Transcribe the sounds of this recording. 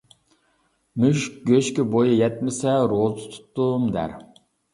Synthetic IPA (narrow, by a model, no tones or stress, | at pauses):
myʃk̚ɡʲøʃkʲɪbojɨjɛt̪mɪsɛɾolˠt̪ʰɨ̥t̪ʰu̥t̪ːumd̪æ̰ɾ